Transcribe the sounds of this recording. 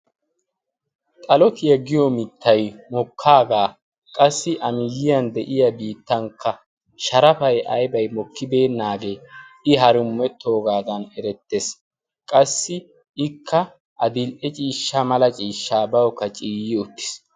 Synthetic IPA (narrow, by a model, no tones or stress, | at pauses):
t̪ʼɐlɔt̪ɪjɐɡɪjɔmɪt̪ʰːɐjmɔkʰːaːɡaː | kʼɐsːɪʔɐmɪjɪjɐnd̪ɛʔɪjɐbiːt̪ːɐŋkʰːɐ | ʃɐɾɐfɐjʔɐjbɐjmɔkːɪbe̞ːnːaːɡe̞ːɪɦɐɾʊmːɛt̪ʰːo̞ːɡaːd̪ɐnɛɾɛt̪ːes | kʼɐsːɪ | ɪkʰːɐ | ʔɐd̪ɪlʔɛt͡ʃʼiːʃːamɐlɐt͡ʃʼiːʃːaːbɐwɔkːɐt͡ʃʼiːjɪʊt̪ːɪ̥s